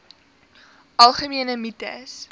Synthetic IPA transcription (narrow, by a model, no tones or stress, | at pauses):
ʔɐlˠχəmiənəmitə̰s